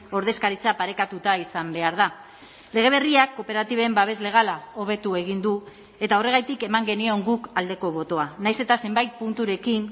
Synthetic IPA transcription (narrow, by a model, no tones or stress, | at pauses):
o̞ɾð̞e̞skaɾit͡sapaɾe̞kat̪ut̪aisambe̞aɾða | le̞ɣ̞e̞β̞e̞riakːo̞pe̞ɾat̪iβembaβ̞e̞zle̞ɣ̞alao̞β̞e̞t̪ue̞ɣ̞ind̪u | e̞t̪ao̞re̞ɣ̞ajt̪ike̞maŋɡe̞nio̞ŋɡukald̪e̞ko̞β̞o̞t̪o̞anajse̞t̪ase̞mbajt̪̚punt̪uɾe̞kin